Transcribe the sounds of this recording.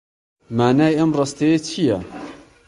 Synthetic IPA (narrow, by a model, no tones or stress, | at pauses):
maːnaːjʔɐmrˤɑst̪ejet͡ʃʰijɐ